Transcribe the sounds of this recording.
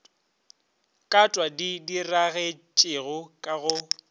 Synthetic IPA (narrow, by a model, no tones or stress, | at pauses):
kʼatʼwadidiraɣet͡ʃʼɪɣʊkʼaɣʊ